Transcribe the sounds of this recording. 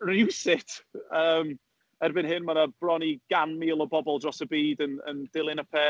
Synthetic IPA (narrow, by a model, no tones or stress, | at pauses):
rɪwsɪtʰəːm | ɛrbɪnɦɪnmanəb̥rɔniɡ̥anmiːlˠɔbɔbɔlˠdrɔsəbiːdənə̰nd̥ɪlˠɪnəpʰɛ